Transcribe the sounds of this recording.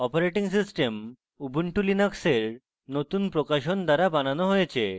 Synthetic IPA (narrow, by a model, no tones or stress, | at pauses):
ɔpoɾeʈiŋs̬isʈem | ubʱuɳʈulinakseɾ | not̪unpɾokaʃond̪aɾabananoɦojet͡ɕʰe